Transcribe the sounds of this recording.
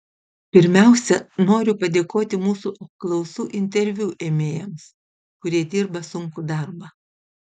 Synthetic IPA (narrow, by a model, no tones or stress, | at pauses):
pʲɪɾʲmʲæˑʊsʲɛnoːɾʲʊpɐd̪ʲeːkoːt̪ʲɪmuːsuʔɐp̚klˠɐʊsuːʔɪnʲt̪ʲɛɾʲʋʲuːʔeːmʲeːjɛms | kʊɾʲiɛd̪ʲiːɾbɐsʊŋkud̪ɑˑɾbɑː